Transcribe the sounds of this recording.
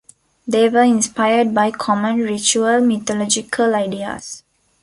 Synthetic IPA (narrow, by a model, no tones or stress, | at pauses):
d̪eːʋəĩnspaɪəɖ̚baɪkʰɔmə̃nɹit͡ʃuəlmit̪ɔlɔd͡ʒikʰəlaɪɖiə̰s